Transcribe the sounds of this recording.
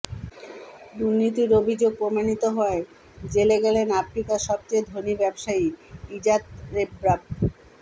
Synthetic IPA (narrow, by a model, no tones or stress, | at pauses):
d̪uɾnit̪iɾobʱid͡ʑoɡ̚pɾomanit̪oɦɔe | d͡ʑeleɡɛlenafɾikaʃɔb̚t͡ɕejd̪ʱonibɛbʃaiid͡ʑat̪ɾebɾab̚